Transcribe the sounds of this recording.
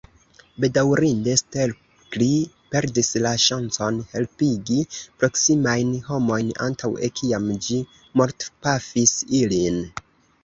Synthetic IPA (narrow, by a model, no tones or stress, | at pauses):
be̞dawɾinde̞stel | kli | pe̞ɾdislaʃant͡so̞nhe̞lpiɡipɾo̞ksimajnho̞mo̞jna̰ntʰawḛkʰiamd͡ʒi | mo̞ɾtpafisilin